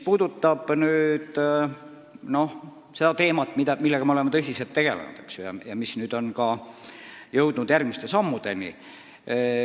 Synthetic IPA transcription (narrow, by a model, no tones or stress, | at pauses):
spuːd̪ut̪ːɑb̥nyːd̪̥ | no̞h | se̞d̪̥ɑt̪e̞ːmɑt̪ːˑmid̪ɑmilːeɡ̥ɑmeoemet̪ɤsʲiselt̪ːeɡ̥e̞̰lḛnṵd̪̥eksjojɑ̰jɑmisnyːd̪̥o̞nkɑ | jɤwd̪̥nud̪̥jærɡ̥̚mist̪e̞sɑmːud̪̥e̞nḭ